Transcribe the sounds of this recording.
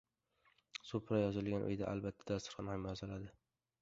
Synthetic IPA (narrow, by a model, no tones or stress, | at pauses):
sʊpɾajɒzɪlɡʲanʔʊ̰jd̪a̰ʔa̰lbat̪ʰːad̪ast̪ɪ̥ɾχɑnɪmjɒzɪlad̪ɪ